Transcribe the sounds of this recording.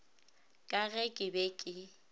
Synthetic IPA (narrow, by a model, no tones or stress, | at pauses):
kʼaɣɛkʼɪbɛkʼɪ